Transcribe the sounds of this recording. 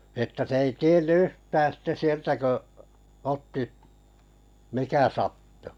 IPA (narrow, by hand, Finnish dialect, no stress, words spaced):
etːæ se ei tienː yhtæː sitːe sieltæ kø otːi mikæ sɑtːu̥